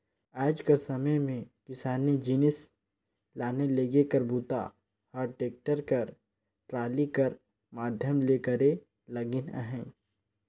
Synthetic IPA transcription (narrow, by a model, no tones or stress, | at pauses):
aːd͡ʒkəɾsɐməjmẽkɪsaːnid͡ʒiːnɪs | laːneleːɡekəɾbuːt̪a̰ | hɔːɾʈeːk̚ʈəɾkɐɾ | ʈɾaːlikɐɾ | maːd̪ʱjəmleːkəɾe | lɐɡɪnə̰ɦɛ̃ː